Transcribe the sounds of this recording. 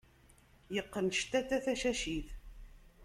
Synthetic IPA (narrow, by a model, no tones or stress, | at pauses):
jəqːənʃt̪æt̪ːæθæʃæʃiθ